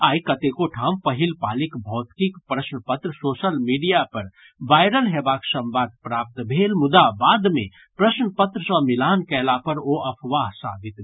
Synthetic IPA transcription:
aːjkət̪ekoʈʰãmpəɦilpalikbʱɔːt̪kikpɾəsnəpət̪ɾəsosəlmiɖijapəɾ | ʋaɪɾəlɦebaksə̃mbad̪̚pɾap̚t̪bʱelmʊd̪abad̪me | pɾəsnəpət̪ɾəsə̃milankɛlapəɾoʔəpʰʋaɦsa̰b̪ʱit̪

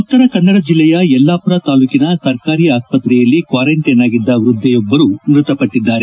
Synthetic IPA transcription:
ut̪ːɐɾɐkɐnːɐɽɐd͡ʒilːɛjɐɛlːaːpuɾɐt̪aːluːkinɐsɐɾkaːɾiːaːspɐt̪ɾɛjɐlːikʋaːɾɐɳʈɐjnaːɡid̪ːɐʋɾud̪ʱːɛjɔbːɐɾumɾut̪ɐpɐʈːid̪ːaːɾe

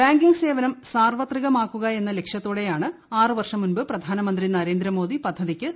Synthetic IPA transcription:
baːŋɡiŋɡɨse̞ːʋɐnɐmsaːrʋɐt̪riɣɐmaːkːuɣɐe̞nːɐle̞kʂjɐt̪ːoːɽe̞jaːɳɨ | aːrɨʋɐrʂɐmunbɨprɐd̪ʱaːnɐmɐnd̪rinɐɾe̞ːnd̪ɾɐmo̞ːd̪ipɐd̪ʱːɐðikʲːɨ

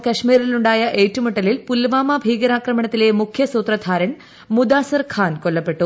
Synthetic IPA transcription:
kɐʂmiːɾiluɳɖaːjɐʔeːtːumɐʈːɐlilpulːʋaːmaːbʱiːɡɐɾaːkɾɐmɐɳɐt̪ːileːmukʰjɐsuːt̪ɾɐd̪ʱaːɾɐɳ | mud̪aːsɐɾkʰaːnkolːɐpːe̞ʈːu

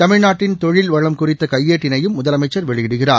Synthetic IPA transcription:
t̪ɐmɪɻnaːʈːɪnt̪ɔɻɪlʋɐɻɐmkʊrɪt̪ːɐkɐjːeːʈːɪnɐjɯmːʊðɐlɐmɐɪt͡ʃːɐɾʋɛɭɪʋɪɽɯɣɪraː

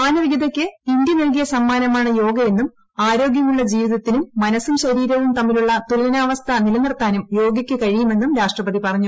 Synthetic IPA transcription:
aːnɐʋiɡɐðɐkʲːɨind̪jɐnelk̬ijɐsɐmːaːnɐmaːɳɨjo̞ːɡɐje̞nːum | aːɾo̞ːɡjɐmuɭːɐd͡ʑiːʋiðɐt̪ːinumːɐnɐsumɕɐɾiːɾɐʋumt̪ɐmːiluɭːɐt̪ulɐɐnaːʋɐst̪ʰɐnilɐnɐrt̪aːnumjo̞ːɡjɐkʲːɨkɐɻijume̞nːumɾaːʂʈrɐpɐðipɐrɐɲːu

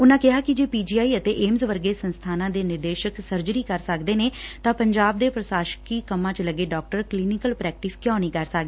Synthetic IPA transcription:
ʊnãːkɪɦaːkɪd͡ʒeːpiːd͡ʒiːaːiːət̪eːʔeːmzʋəɾɡeːsənst̪ʰaːnãːd̪eːnɪɾd̪eːʃəksəɾd͡ʒəɾiːkəɾsəkd̪eːneːt̪ãːpəɲd͡ʒaːb̚d̪eːpɾəsaːʃkiːkəmːãːt͡ʃləɡeːɖɔːk̚ʈəɾkliːnɪkəlpɾɛːk̚ʈɪskjãːnĩːkəɾsakd̪eː

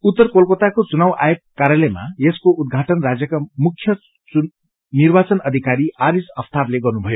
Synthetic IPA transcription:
ut̪ːʌrkolkot̪akot͡sunawʔa̰jokːaɾjʌlejma̰eskoʔud̪̚ɡʱaʈʌnrad͡zjʌkamukʰːjʌ | u | nirbat͡sʌnʌd̪ʱikaɾiaɾisʌpʰt̪ʰarleɡʌrnubʱʌjo

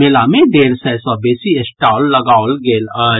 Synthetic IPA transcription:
elamẽd̪eːɾsɛsabeːsiesʈaːlːɐɡaːlɡeːl

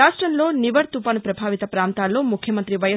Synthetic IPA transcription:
aːʂʈɾɐnloːniʋɐɽt̪upɐnpɾɐbʱaːʋit̪ɐpɾaːnt̪aːloːmukʰjɐmɐnt̪ɾiʋɐjɐ

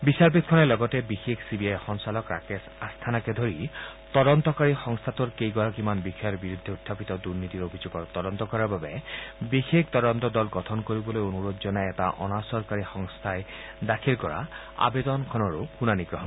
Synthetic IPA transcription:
bisaɹpit̪̚kʰɔnɛlɔɡɔtɛbixekʰsibiajxɔŋsalɔkɹa̰kesast̪ʰanakɛd̪ʱoɹit̪ɔd̪ɔnt̪ɔkaɹixɔŋst̪ʰat̪uɹkejɡɔɹakimanbixʰɔjɔɹbiɹud̪ʱːeut̪ʰːapit̪ɔd̪uɹnit̪iɹobʱizoɡɔɹt̪ɔd̪ɔnt̪ɔkɔɹaɹbabɛbixekʰt̪ɔdɔnt̪ɔd̪ɔlɡɔt̪ʰɔnkoɹibɔlojonuɹozɔnajɛta̰ʔɔ̰nasɔɹkaɹixɔŋst̪ʰaj | dakʰilkɔɹa̰ | a̰bed̪ɔnkʰɔnɔɹoxunaniɡɹɔɦɔn

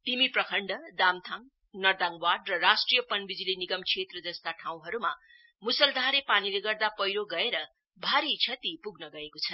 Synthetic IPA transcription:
t̪imiprʌkʰʌɳɖʌd̪amt̪ʰãŋ | nʌrd̪aŋwaɖrʌrasʈrijʌpʌnbid͡zileniɡʌmkʰet̪rʌd͡zʌst̪aʈʰaw̃ɦʌɾuma | musʌld̪ʱaɾepanileɡʌrd̪apʌjɾoɡʌeɾʌ | bʱaɾit͡sʰʌt̪ipuɡnʌɡʌekot͡sʰʌn

